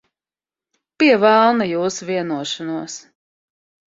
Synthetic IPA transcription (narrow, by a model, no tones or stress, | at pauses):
pʲiɛvælˠnajuːsviɛnuɔʃanuɔs